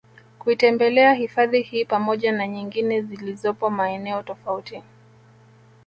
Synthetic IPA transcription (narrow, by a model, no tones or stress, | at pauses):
kuitɛmbɛlɛahifaðihiːpamɔʄanaɲiŋɡinɛzilizɔpɔmaɛnɛɔtɔfauti